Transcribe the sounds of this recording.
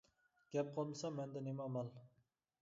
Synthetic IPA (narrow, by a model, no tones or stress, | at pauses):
ɡ̥ʲɛp̚qʰɑlˠmɨsɑmɛnd̪ɛnemɑmɑlˠ